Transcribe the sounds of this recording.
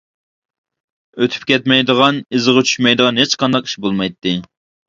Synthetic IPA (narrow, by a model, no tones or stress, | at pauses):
øt̪ʰy̥p̚kʲʰɛt̪mɛjd̪əʁɑnɨzəʁɑt͡ʃʰy̥ʃmɛjd̪əʁɑnɦet͡ʃqɑnd̪ɑqi̥ʃbolˠmɑjt̪ːɪ